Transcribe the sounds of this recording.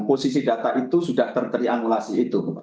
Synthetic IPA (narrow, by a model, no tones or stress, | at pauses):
posisidat̪aʔit̪usudaht̪ərt̪əɾianulasiːt̪u